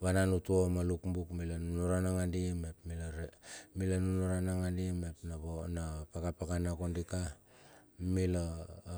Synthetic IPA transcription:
βananutuomalukmbukmilanunuɾanaŋandimepmilaɾemilanunuɾanaŋandimepnaβonapakapakanakondika | mila

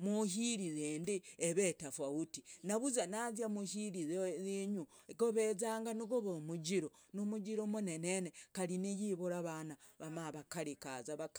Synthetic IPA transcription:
muhiɾizeːndieβetafwautinaβuzanazjamuhiɾizeiɲu | koβezaːŋɡaniɡoβomuɟiɾo | nomud͡ʒiɾomunenenekaɾinijiβuɾaβanaβamaβakaɾikazaβak

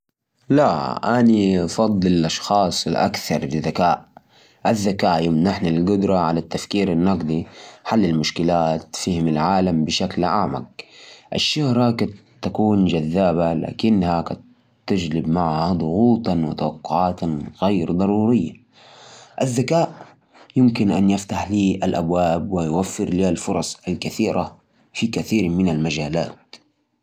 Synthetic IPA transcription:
laʔanifɑd̪ˤlɪlʔɑʃxɑːsˤɪlʔa̰kθɑɾˤlɪðakaːʔ | ʔaðːakaːʔjʊmnaħnalɡʊd̪ɾˤɑʕalat̪ːafkiːɾanːɑqd̪iħalːɪlmʊʃkɪlaːt̪fiːhɪmalʕaːlambɪʃaklʕa̰ʕma̰k̚ʔaʃːʊhɾakat̪ːakuːnd͡ʒaðːaːbala̰ːkɪnːhaka | t̪ːɪd͡ʒlɪbmaʕhad̪ˤʊɣuːt̪ɑwɪt̪awɑqːʊʕaːt̪ɣajɾd̪ˤɑɾˤuːɾɪjːa̰ | ʔaðːakaːʔ | jɪmkɪnʔanjaft̪aħliːʔalʔa̰bwaːbwɪjwafːɪɾliːalfʊɾˤɑsˤalkaθiːɾʔa | fikaθiːɾmɪnalmad͡ʒaːla̰ːt̪̚

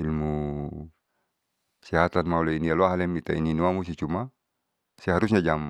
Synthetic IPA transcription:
ilmu | siɦat̪anmaulainialoaɦalɛmit̪aininuamus̬it͡ʃuma | sɛɦaɾus̬ɲad͡ʒam

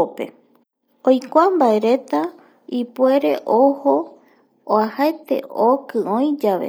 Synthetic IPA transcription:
pe̞̰ | ojkʷambae̞ɾe̞t̪a | ipwe̞ɾe̞̰ʔoho | oahaet̪e̞̰ʔokɨ̃õj̃d͡ʒaʋḛ

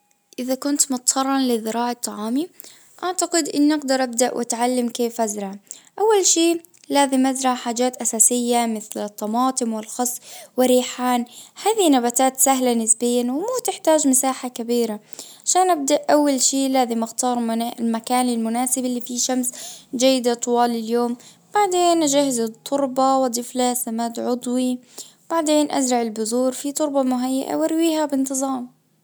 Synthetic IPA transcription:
ʔɪðakʊnt̪mʊt̪tɑrˤːɑnlɪðɪɾɑːʕɑt̪ˤːɑʕɑːmi | ʔaʕt̪aqɪd̪ʔɪ̰nːʔaɡd̪ɑɾˤʔab̚d̪aʔwʔa̰t̪ʕalːamkeːfʔazɾˤɑʕʔawːalʃiː | laːzɪmʔazɾˤɑʕħaːd͡ʒaːt̪ʔasaːsɪjːamɪθlɪt̪ˤːɑmɑːt̪ˤɨmwɪlxɑsˤwɪrːiːħaːnhaːðinabat̪aːt̪saɦlanɪsbɪjːanwɪmuːt̪ɪħt̪aːd͡ʒmasaːħakabiːɾa | ʕaʃaːnʔab̚d̪aʔʔawːalʃiːlaːzɪmʔɪxt̪ɑːɾˤalmakaːnɪlmʊnaːsɪbɪlːifiʃamsd͡ʒajːɪd̪at̪ˤʊwɑːlɪljoːm | b̥aʕd̪eːnʔad͡ʒahɪzɪt̪ˤːʊɾˤbɑwɪd̪ˤɪflasamaːd̪ʕʊd̪ˤwi | b̥aʕd̪eːnʔa̰zɾɑʕɪlbʊzuːɾfit̪ˤʊɾˤbɑmʊɦajːa̰ʔa̰wʔaɾwiːhabɪnt̪ɨzˤɑːm

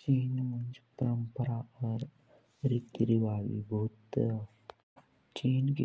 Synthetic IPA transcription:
t͡ʃiːnmənd͡ʒepəɾəmpəɾaəɾ | ɾit̪ɾiʋaːʋḭbɐɦut̪ | t͡ʃiːnki

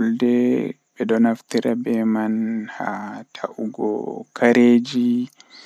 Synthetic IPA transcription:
ldɛ | bɛdɔnaft̪iɾabɛmanhatʰaʔuɡɔ̰kʰaɾeːd͡ʒi

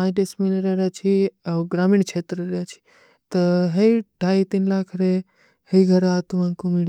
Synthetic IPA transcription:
ãʈesminɾeɾet͡ʃʰiaɡɾamiɳt͡ʃʰet̪ɾəɾet͡ʃʰi̥ | t̪əɦejɖʱaːjt̪inlakʰɾe | həiɡʱəɾat̪uãkumiɽ

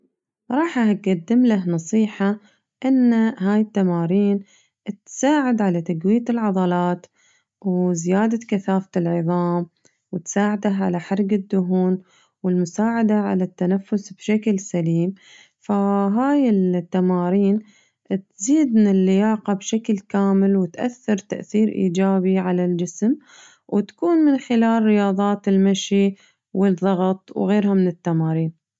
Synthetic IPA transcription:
ɾˤɑːħahat̪̚ɡad̪ːɪmlahnɑsˤiːħa | ʔɪnːaɦaːjɪt̪ːamaːɾiːn | t̪saːʕɪd̪ʕalat̪aɡwijːat̪ɪlʕɑðˤɑlɑːt̪ | wzɪjaːd̪akaθaːfɪlʕɨðˤɑːm | wɪt̪saːʕad̪aʕa̰laħɑɾˤɡɪd̪ːʊɦuːn | wɪlmʊsaːʕad̪aʕa̰lat̪ːanafːʊsbʃaklsaliːm | faɦaːjɪlt̪ːamaːɾiːn | t̪ziːd̪mɪnɪlːɪjaːqabʃaklkaːmɪlwɪt̪ʔa̰θːɪɾˤt̪a̰ʔθiːɾʔḭːd͡ʒaːbiʕalald͡ʒɪsm | wɪt̪ḁkuːnmɪnxɪlaːlːɪjɑːðˤɑːt̪ɪlmaʃi | wɪðˤːɑɣt̪ˤwɣeːɾhamɪnɪt̪ːamaːɾiːn

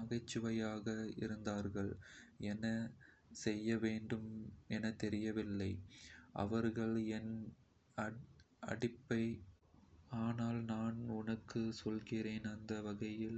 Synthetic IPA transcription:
ɐɣɐɪt͡ʃːɯʋɐjaːɣɐɪ̰ɾɯnd̪aːɾɣɐɭɛnɐ | sɛjːɐʋeːɳɖɯmɛnɐt̪ɛɾɪjɐʋɪlːɐɪʔɐ̰ʋɐɾɣɐɭɛn | ɐ | ɐ̰ɽɪpːɐɪ | aːnaːlnaːnʊnɐkːɯsɔlɣɪɾeːnɐnd̪ɐʋɐɣɐjɪl

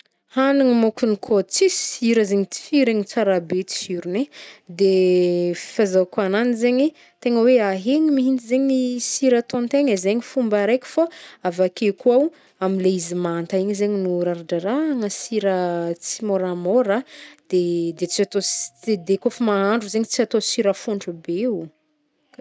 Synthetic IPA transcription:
haniŋimokunikʰot͡sisiɾəzeɲit͡si̥fiɾeɲit͡saɾabet͡si̥hiɾuned̪efi̥fazakananizeɲi | t̪eŋəweaɦeɲimiɦint̪izeɲiisiɾat̪ont̪eɲəzeɲifumbaɾejkʲu̥faavakekuaw | amileizimant̪aiɲizeɲinuɾaɾaɖ͡ʐaɾaŋəsiɾət͡simoɾamoɾad̪̥ed̪et͡siat̪oed̪ekofamaɦaɳɖ͡ʐuzeɲit͡siat̪osiɾəfuɳɖ͡ʐube

